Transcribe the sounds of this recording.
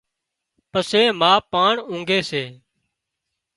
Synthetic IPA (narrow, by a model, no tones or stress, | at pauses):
pəseːmaːpaːɳũːŋɡʱeːseː